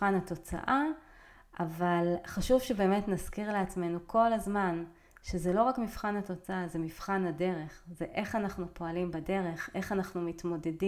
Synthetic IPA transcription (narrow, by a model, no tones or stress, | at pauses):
anhato̞t͡sa̰ʔa | ʔavalχaʃuvʃebe̞ːme̞tnazkiʁleat͡sme̞nukʰo̞lazman | ʃezelo̞ʁakmifχanhat̪o̞t͡saazemifχanade̞ʁeχzeʔe̞χanaχnupo̞alimbade̞ʁe̞χe̞χanaχnumitmo̞de̞di